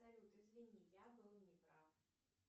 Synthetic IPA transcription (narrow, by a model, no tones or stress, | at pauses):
ɐpsalʲut̪ɨzvʲɪnʲijabɨlˠnʲɪpɾaf